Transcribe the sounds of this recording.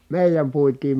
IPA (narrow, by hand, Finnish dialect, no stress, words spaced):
meˑijæm puitiːm